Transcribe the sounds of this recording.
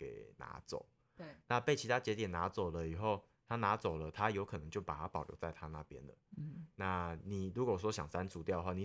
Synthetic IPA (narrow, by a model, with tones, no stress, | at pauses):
ke˨˩ɪna̰˧˥t͡so̰˨˩˦ʊ | na˥˧pe˥˩ɪt͡ɕʰi˧˥t̪ʰa˦˥t͡ɕjɛ˧˥t̪jɛ˨˩na˧˦˥t͡so˨˩ʊlə˦i˨˩xo˥˩ʊ | t̪ʰa˦na˧˥˦t͡so˨˩ʊlə˦t̪ʰa˦jo˧˥ʊkʰɤ˨˩ɤ˧˦ŋt͡ɕjo˥˩ʊpa˨˩t̪ʰa˦pɑ˨˩jo̰˧˥ʊt͡sa˥˧ɪt̪ʰa˦na̰˥˨pjɛ̰˦nlə̰˨na˥˩ni˨˩ɻu˧˥kwwɔ˥ɕjɑ˨˩ŋsa˦nt͡sʰu˧˥t̪jʊd̪ə˧wa˥˨ni˨˩